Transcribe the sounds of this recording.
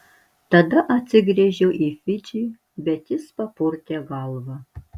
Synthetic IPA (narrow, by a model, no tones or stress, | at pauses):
tɐdɐʔɐtt͡sʲɪɡrʲeːʒʲɛwʔifɪd͡ʒiː | bʲɛtjɪspɐpʰoːrtʰʲɛɡɑːlˠvɐ